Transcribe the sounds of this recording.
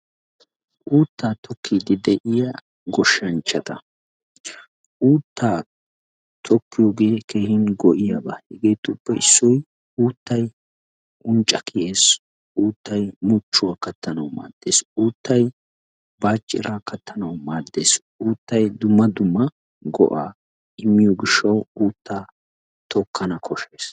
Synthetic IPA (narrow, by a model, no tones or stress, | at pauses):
ʔuːt̪ːaːt̪ɔkʰːiːd̪ɪd̪ɛʔɪjɐ | ɡɔʃːɐnt͡ʃːɐt̪ɐ | ʔuːt̪ːaː | t̪ʰɔkːɪjoːɡeːke̞ːhɪnɡɔʔɪjɐba̰hɛɡe̞ːt̪ːʊpːɛɪ̰sːɔj | uːt̪ːɐj | ʔʊnt͡ʃʼːɐkʰɪjeːs | ʔuːt̪ʰːɐjmʊt͡ʃːʊwakɐt̪ːɐnɐwma̰ːd̪ːeːsuːt̪ːɐj | baːt͡ʃʼːɪ̰ɾakɐt̪ʰːɐnɐwmaːd̪ːe̞ːs | uːt̪ːɐjd̪ʊmːɐd̪ʊmːɐ | ɡɔ̰ʔaː | ʔɪmːɪjoɡɪʃːɐwuːt̪ːaː | t̪ʰɔkʰːɐnɐkʰɔʃeːs